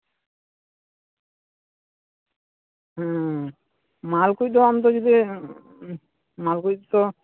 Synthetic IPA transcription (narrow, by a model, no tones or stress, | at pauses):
ɦɛ̃ | malkujd̪oamt̪̬od͡ʒid̪i | malkujd̪t̪o